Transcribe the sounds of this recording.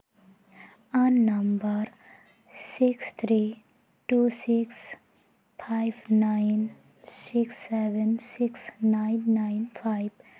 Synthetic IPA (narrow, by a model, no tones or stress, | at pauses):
ənːɐmbəɾ | sikst̪ʰɾi | ʈusiks | pʰaɪbnaɪn | siksːeʋə̃nsiksnaɪnːaɪnfʰaɪb